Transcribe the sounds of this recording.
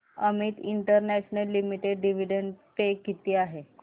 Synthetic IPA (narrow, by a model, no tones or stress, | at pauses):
əmiːt̪iɳʈəɾnɛɕnəlːimiʈeɖɖiʋ̤iɖənpekːit̪iːaɦe